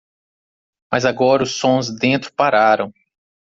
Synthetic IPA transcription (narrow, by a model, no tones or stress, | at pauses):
mɐzaɡɔɾʊsõzd̪ẽnt̪ɾʊpaɾaɾɐ̃w̃